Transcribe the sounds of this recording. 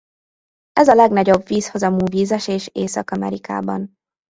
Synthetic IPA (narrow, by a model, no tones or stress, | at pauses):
ɛzɒlɛɡnɒɟo̞bviːsho̞zɒmuːviːzɛʃeːʃeːsɒkɒmɛ̰ɾika̰ːbɒ̰n